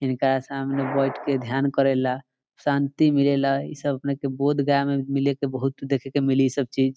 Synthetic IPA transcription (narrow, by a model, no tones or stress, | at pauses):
inkɾasamnebɔjʈked̪ʱjankəɾɛla | sant̪imilelaḭsəbəpnekebod̪ɡajmemilekebəɦut̪d̪ekʰekemilisəb̚t͡ʃid͡ʒ